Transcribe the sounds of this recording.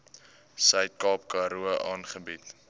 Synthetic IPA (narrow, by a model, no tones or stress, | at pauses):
sœɥt̚kɑːpkɑɾuəʔɑːnχəbit